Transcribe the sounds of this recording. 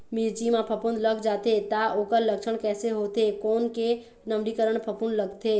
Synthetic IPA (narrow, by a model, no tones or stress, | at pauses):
miɾd͡ʒimãpʰəpʊnd̪ləɡd͡ʒaːt̪et̪aoːkəɾləkʃəɽ̃kɛːseɦoːt̪ekɔːnke | nəmɾikəɾəɽ̃pʰəpʊnləɡt̪ʰeː